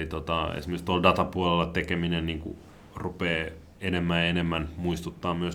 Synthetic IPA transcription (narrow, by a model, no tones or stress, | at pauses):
it̪ot̪ɑḛsmeist̪uoldɑt̪ɑpuolelːɑt̪ekeminenniːŋkṵ | rupeː | enemːæenemːænmuist̪ut̪ːɑːmmyøs